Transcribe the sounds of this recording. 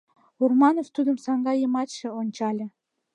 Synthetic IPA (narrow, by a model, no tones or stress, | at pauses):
urmɑnoft̪ud̪ə̆msɑŋɡɑjɤ̆mɑt̪ʃĕonʲt͡ɕɑlʲɤ̆